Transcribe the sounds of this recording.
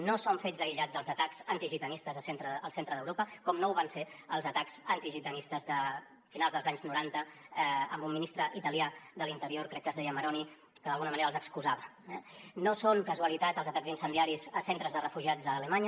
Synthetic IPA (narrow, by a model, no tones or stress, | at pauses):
nosoɱfed͡zzəiʎad͡zəlˠzət̪akz̥ənt̪iʒit̪ənist̪əzðəsent̪ɾəːlˠsent̪ɾəðəwɾopəkɔmnouβanseəlˠzət̪akzənt̪iʒit̪ənist̪əzðə | finalˠzðəlzaɲznuɾant̪əɛəmbumːinist̪ɾəʔit̪əliaðəlint̪əɾioɾkɾɛkːəzðɛjəməɾɔni | kəðəlˠɣunəməneɾəlˠzəkskuzaβə | ɛnosoŋkəzuəlit̪at̪əlˠzət̪aɡzinsənd̪iaɾizəsent̪ɾəzðərəfuʒiad͡zəːləmaɲə